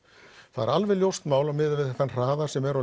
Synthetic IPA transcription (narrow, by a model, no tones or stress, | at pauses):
θaðɛ̰ɾalvɪljowst̪maːwlamɪðvɪðθanr̥aːðasɛmɛɾa